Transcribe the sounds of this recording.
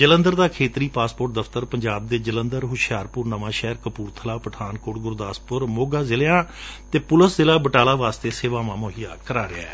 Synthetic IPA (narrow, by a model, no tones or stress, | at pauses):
d͡ʒələ̃nd̪əɾd̪aːkʰeːt̪ɾiːpaːspoːʈ̚d̪əfʰt̪əɾpəɲd͡ʒaːb̚d̪eːd͡ʒələnd̪əɾɦʊʃjaːɾpʊɾnəʋãːʃɛːɾkəpuːɾt̪ʰəlaːpəʈʰaːnkoːɽɡʊɾd̪aːspʊɾmoːɡaːzɪleãːt̪eːpʊləszɪlaːbəʈaːlaːʋaːst̪eːseːʋaːmãːmoːɦijaːkəɾaːɾɪaɛː